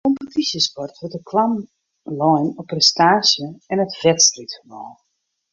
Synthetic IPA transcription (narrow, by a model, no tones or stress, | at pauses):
kɔmpətʰisjəspɔrtʋətdəkʰlam | lɔjnɔprɛstaːsjəɛnətv̥ɛtstritfəmɔːlˠ